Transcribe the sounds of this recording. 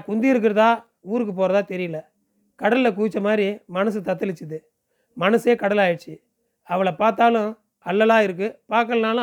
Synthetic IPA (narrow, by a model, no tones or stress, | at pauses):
kʊnd̪ɪɪɾɯk̬ːɪɾɐðãː | uːɾɯk̬ːɯp̬oːɾɐðãːt̪ɛɾɪjɯlɐ | kɐɽɐlɪlɐk̬uːt͡ʃːɐmaːd̪ɾimɐnɐs̬ɯt̪ɐt̪ːɯlɪt͡ʃːɯðɯ | mɐnɐseːkɐɽɐlaːjɐʈt͡ʃːɯ | ɐʋɐɭɐpaːɾt̪̬aːlʊ̃ | ɐlːɐlaːɪɾɯk̬ːɯpaːɾk̬ːɐlnaːlɐ̃